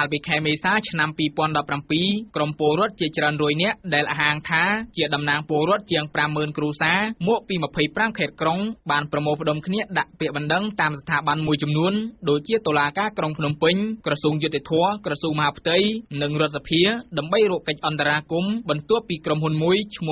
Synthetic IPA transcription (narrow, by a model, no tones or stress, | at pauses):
kalpiːkʰaɛmeːsaːt͡ɕʰnampiːpŏənɗɑpːrampiːkrompoəlrɔ̆ət̪̚t͡ɕiət͡ɕraənrɔəjnɛ̆əʔʔɗaɛlʔaːɦaːŋt̪ʰaːt͡ɕiəɗɑmnaːŋpoəlrɔ̆ət̪̚t͡ɕiəŋpramːəːnkruəsaːmɔːʔpiːməpʰəjpramkʰaːt̪̚kroŋɓaːnprɑmoːlpə̆ɗomkʰniəɗaʔpɛ̆əʔɓɑnɗəŋt̪aːmsḁt̪ʰaːɓanmuəjt͡ɕɑmnuənɗoːc̚t͡ɕiət̪oːlaːkaːkroŋpʰnumpɨɲkrɑsuːŋjut̪ːet̪ʰɔəkrɑsuːŋmɔɦaːpʰt̪ɨjnɨŋrŏət̪̚sapʰiəɗaəmɓəjruːʔkəc̚ʔɑnt̪aɾaːkumɓɑnt̪ʊ̆əhpiːkromɦunmuəjt͡ɕʰmu